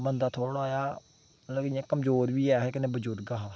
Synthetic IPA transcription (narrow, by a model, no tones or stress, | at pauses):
bənd̪aːt̪ʰoːɽoːjaː | ləɡɪjãːkəmzoːɾʋiːɛːɦɛːkɪnẽːbəd͡ʒʊɾɡaːɦãː